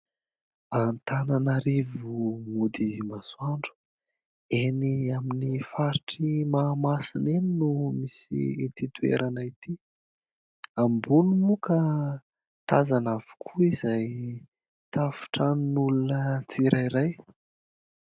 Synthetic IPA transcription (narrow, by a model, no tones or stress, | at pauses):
ant̪ananaɾivumud̪imasuaɳɖ͡ʐu̥ | eniaminifaɾiʈ͡ʂimaːmasineninumisḭit̪it̪uḛɾʔanait̪i | ambunumuka | t̪azanav̥u̥kʰuizaj | t̪afi̥ʈ͡ʂaninulunət͡siɾʔaiɾaj